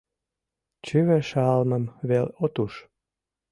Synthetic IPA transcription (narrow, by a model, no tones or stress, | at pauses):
t͡ɕyβæʃɑlməmβelot̪uʃ